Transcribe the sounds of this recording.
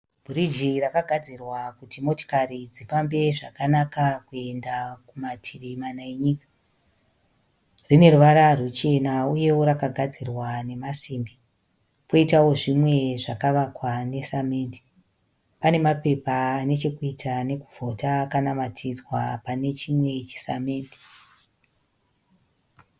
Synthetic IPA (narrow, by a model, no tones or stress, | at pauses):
b̥ʱurid͡ʒirakaɡʱad͡zirwakutimo̞to̥kaɾid͡zifambe̞ʐakanakakue̞ndakumatʰiʋimanaeɲikḁ | rine̞ruʋaɾarut͡ʃe̞nauje̞wo̞ɾakaɡʱad͡zirwane̞masiːmbi | poitawo̞ʐimwe̞ʐakaʋakwane̞same̞ːndi̥ | pane̞mape̞paːne̞t͡ʃekuitʰane̞kuvʱo̞takanamatʰid͡zwapane̞t͡ʃimwe̞t͡ʃi̥same̞ːndi̥